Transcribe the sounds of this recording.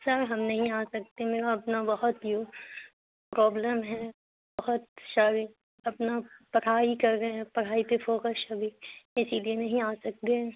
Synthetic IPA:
sɐɾɦɐmnɐɦĩaːsɐk̚t̪emeːɾaɐpnabɐɦɔt̪joː | pɾɔːbləmɦɛ | bɐɦʊt̪̚ʃaːɾi | ɐpnapɐɽ̤aːikɐɾːɐɦɛ̃pɐɽ̤aːipefoːkəsɐbʱiɪsilienɐɦĩaːsɐk̚t̪eɛ̃

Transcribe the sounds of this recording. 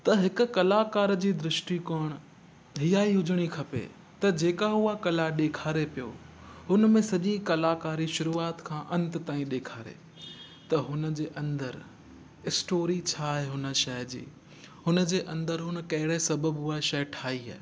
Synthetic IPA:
t̪ɐɦɪkʊ̆kɐlaːkaːɾd͡ʑiːd̪ɾɪʃʈikoːɽ̃ | ɦijaːiɦʊd͡ʑʱəɽ̃ikʰɐpḛ | t̪ɐd͡ʑeːkaʊakɐlaɗeːkʰaːɾepijoɦʊnəmẽsɐʄikɐlaːkaːɾiʃʊɾuːaːt̪kʰãːʔɐ̃nt̪t̪ãːĩɗeːkʰaːɾḛ | t̪ɐɦʊnə̆d͡ʑeːʔɐ̃nd̪əɾ | ɪsʈoːɾit͡ɕʰaːɦeɦʊnə̆ʃɐjd͡ʑḭː | ɦʊnə̆d͡ʑeːʔɐ̃nd̪əɾɦʊnə̆kɐɦɪɽesɐbəbɦʊaʃɐʈʰaːiɦa̰ː

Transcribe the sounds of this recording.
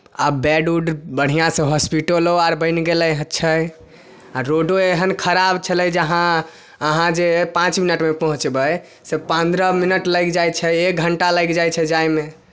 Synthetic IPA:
abɛɖuɖbəɽ̤ijãsẽɦɔspiʈəloaɾbə̃ɪnɡeləjɦətːt͡ʃʰəj | aɾoɖoeɦənkʰəɾabt͡ʃʰəlɛjd͡ʒəɦã | əɦãd͡ʒepãt͡ʃminəʈmepɔɦũt͡ʃbəj | sepə̃nd̪ɾəminəʈləɡd͡ʒajt͡ʃʰɛek̚ɡʱəɳʈaləjɡd͡ʒajt͡ʃʰɛd͡ʒajme

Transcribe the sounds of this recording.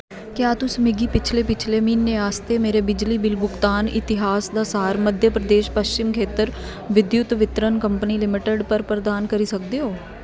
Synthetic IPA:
kjaːt̪ʊsmɪɡiːpɪt͡ʃʰleːpɪt͡ʃʰleːmiːnːeːaːst̪eːmeːɾeːbɪd͡ʒliːbɪlbʊkt̪aːnɪ̰t̪ɪɦaːsd̪aːsaːɾməd̪ʱjəpɾəd̪eːʃpəʃt͡ʃɪmkʰeːt̪əɾ | ʋɪd̪jʊt̪ʋɪt̪ɾənkəmpəniːlɪmɪʈəɖpəɾpɾəd̪aːnkəɾiːsək̚d̪eːɦoː

